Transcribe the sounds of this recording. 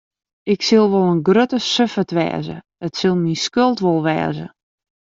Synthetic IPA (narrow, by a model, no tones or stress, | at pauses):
ɪksɪlˠʋolˠənɡrøtəsøfətʋɛ̰ːzə̰dɔtsɪlˠminskølˠtʋolˠʋɛ̰ːzə̰